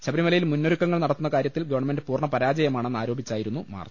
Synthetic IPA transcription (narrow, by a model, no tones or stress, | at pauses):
ɕɐbɐɾimɐlɐjilmunːoɾukːɐŋːɐɭnɐɽɐt̪ːunːɐkaːɾjɐt̪ːilɡɐʋɐɳɐme̞ndɨpuːrɳɐpɐɾaːd͡ʑɐjɐmaːɳe̞nːaːɾoːbʱit͡ɕːaːjiɾunːuma̰ːr